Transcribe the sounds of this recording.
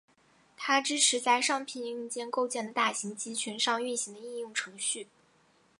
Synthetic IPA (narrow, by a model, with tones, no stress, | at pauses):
t̪ʰa˥ʈ͡ʂɻ̩˥ʈ͡ʂʰɻ̩˧˥t͡sa˥˧ɪʂɑ˥˧ŋpʰi˥˩ni˧˥˩ŋt͡ɕjɛ˥nko˥˧ʊt͡ɕjɛ˥˩nd̪ə˩t̪a˥˩ɕi˧˥ŋt͡ɕi˥t͡ɕʰy˧˥nʂɑ˥˧ŋy˥˩nɕi˧˥ŋd̪ə˧i˥˧jʊ˥˩ŋʈ͡ʂʰɤ˧˥ŋɕy˥˩